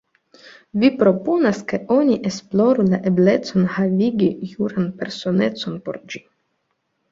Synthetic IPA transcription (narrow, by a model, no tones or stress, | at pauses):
vipɾo̞po̞naske̞o̞nʲiʔesplo̞ɾulaʔe̞ble̞t͡so̞nhaviɡʲijuɾanpe̞ɾso̞ne̞t͡so̞npo̞̰ɾd͡ʒi̥